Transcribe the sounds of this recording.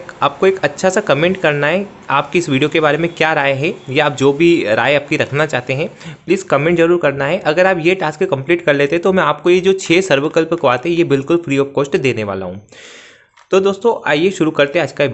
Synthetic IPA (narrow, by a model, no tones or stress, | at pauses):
aːp̚koeːkɐtːʃʰasakɐmẽːɳʈkɐɾnaɦɛ | aːp̚kiɪsʋiːɖijokebaːɾemẽkjaːɾaːeɦɛjaːp̚d͡ʒoːbʱiɾa̰ːeaːp̚kiɾɐkʰnat͡ʃaːɦt̪eɦɛ̃pliːzkɐmẽːɳʈzɐɾuːɾkɐɾnaɦɛʔɐɡəɾaːpjeʈaːskekɐ̃mpliːʈkɐɾleːt̪eɦɛ̃t̪omɛ̃aːp̚kojed͡ʒoːt͡ʃʰeːsɐɾʋəkəlpkʋaːt̪eɦɛ̃jebɪlkʊlfɾiːɔːpkoːsʈd̪eːneʋa̰ːla̰ɦũ | t̪oːd̪oːst̪õʔaːjeʃʊɾukɐɾt̪eɦɛaːd͡ʒka